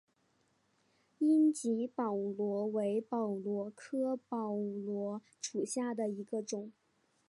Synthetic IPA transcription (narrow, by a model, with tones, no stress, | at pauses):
i˥nt͡ɕi˧˥pɑ˨˩ʊlwɔ˧˥we˧˥ɪpɑ˨˩ʊlwɔ˧˥kʰɤ˥pɑ˨˩ʊlwɔ˧˥ | ʂu˨˩ɕja˥˩d̪ə˩i˧˥ɡə˧ʈ͡ʂʊ˨˩˦ŋ